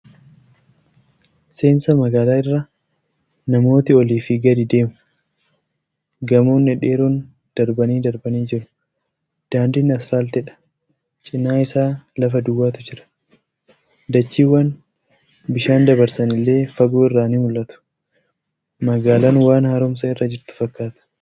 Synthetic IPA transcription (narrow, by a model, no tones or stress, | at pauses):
se̞ːnsɐmɐɡaːlaːɪrːa | nɐmo̞ːt̪ɪɔliːfɪɡɐd̪ɪd̪e̞ːmʊ̥ | ɡɐmoːnɛᶑe̞ːɾuːn | d̪̥ɐɾbɐniːd̪ɐɾbɐniːd͡ʒɪɾʊ̥ | d̪̥aːnd̪ɪnɐsfaːlt̪ɛᶑɐ̥ | t͡ʃʼɪnːaːɪsaːlɐfɐd̪ʊwaːt̪ʊd͡ʒɪɾɐ̥ | d̪ɐt͡ʃːiːwːan | bɪʃaːnd̪ɐbɐɾsɐnɪlːe̞ːfɐɡoːɪrːaːniːmʊlʔɐt̪ʊ̥ | mɐɡaːlaːnwaːnhaɾʊmsɐɪrːɐd͡ʒɪɾt̪ʊ̥fɐkːaːt̪ɐ̥